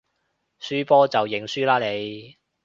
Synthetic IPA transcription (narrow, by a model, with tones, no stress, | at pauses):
syː˥pɔː˥t͡sɐ˨wjɪ˨˩ŋsyː˥laː˥le˨˧j